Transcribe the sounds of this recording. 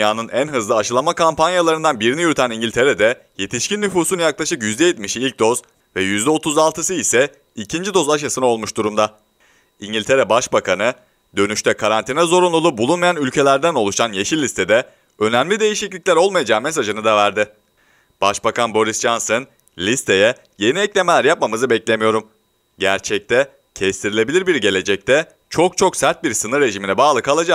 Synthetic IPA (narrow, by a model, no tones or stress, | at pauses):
jaːnɯnænɦɯzlˠɯaʃɯlˠamakʰampanjalˠaɾɯnd̪anbiɾinijyɾyt̪ʰæniɲɟilʲt̪ʰe̞ɾed̪ɛ | je̞t̪ʰiʃcinːʲyfuːsunjaklˠaʃɯkjyzd̪ɛjet̪miʃilʲc̚d̪o̞z | vɛjyzd̪ɛo̞t̪ʰuzalˠt̪ʰɯsɯisɛ | icʰind͡ʒid̪o̞zaʃ̬jasɯnao̞lˠmuʃd̪uɾumd̪a | iɲɟilʲt̪ʰe̞ɾɛbaʃbakʰanɯ | d̪ø̞nyʃt̪ʰɛkʰaɾant̪ʰinɛzo̞ɾunlˠulˠubulˠunmajanylʲcʰe̞lʲæɾd̪æno̞lˠuʃanjeʃilʲːist̪ʰe̞d̪ɛ | ø̞næmlʲid̪e̞jiʃiclʲiclʲæɾo̞lˠmajad͡ʒaːmes̬aʒɯnɯd̪avæɾd̪ɪ | b̥aʃbakʰanbo̞ɾisd͡ʒansɯn | lʲist̪ʰe̞jɛ | je̞niɛclʲe̞me̞lʲæɾjap̚mamɯzɯbɛclʲe̞mijo̞ɾum | ɟæɾt͡ʃʰɛc̚t̪ʰɛ | cʰɛst̪ʰiɾilʲe̞bilʲiɾbiɾɟe̞lʲe̞d͡ʒɛc̚t̪ʰɛ | t͡ʃʰo̞k̚t͡ʃʰo̞ksæɾt̪̚biɾsɯnɯɾːe̞ʒiminɛbaːlˠɯkʰalˠad͡ʒak